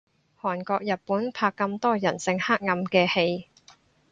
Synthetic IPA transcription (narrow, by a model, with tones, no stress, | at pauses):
hɔː˨˩nkɔː˧k̚jɐ˨t̚pːuː˨˥npʰaː˧kːɐ˧mt̪ɔː˥jɐ˨˩nsɪ˧ŋhaː˥k̚ŋɐ˧mkɛː˧he˧j